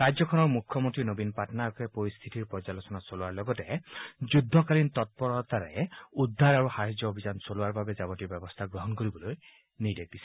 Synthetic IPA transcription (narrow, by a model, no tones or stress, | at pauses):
ɹajzjɔkʰɔnɔɹmukʰːjɔmont̪ɹinobinpatɔnakɛpoɹist̪ʰitiɹpɔɹalosɔnasoluwaɹlɔɡɔtɛd͡ʒudʱːɔkalint̪ɔt̚pɔɹɔt̪aɹɛ̰udʱːaɹaɹuxaɦid͡ʒːɔobʱizansoluaɹbabɛzabɔtiɹbɛbɔst̪ʰaɡɹɔɦɔnkoɹibɔloj | nidek̚isɛ̥